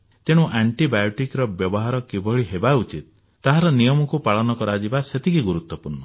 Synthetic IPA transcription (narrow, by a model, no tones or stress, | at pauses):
t̪eɽ̃ũʔaɳʈibajɔʈikɾɔbjɔbɔɦaɾɔkibʱɔɭiɦebaut͡ʃit̪̚ː | aɦaɾɔnijɔmɔkupaɭɔnɔkɔɾad͡ʒibaset̪ʰikiɡuɾut̪wɔpuɾnɔ